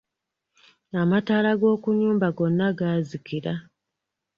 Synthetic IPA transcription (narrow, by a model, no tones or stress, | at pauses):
amataːlaɡo̞ːkuɲuːmbaɡo̞nːaɡaːzikiɾa